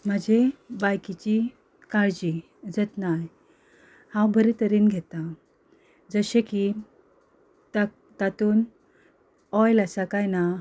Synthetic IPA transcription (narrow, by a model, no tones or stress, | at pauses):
m̤əd͡ʑebajkit͡ɕi | kaɾd͡ʑi | d͡zət̪naj | hãwbʱəɾit̪əɾiːnɡʱet̪a | d͡zəɕeki | t̪ | t̪at̪uːn | ɔjləsakajna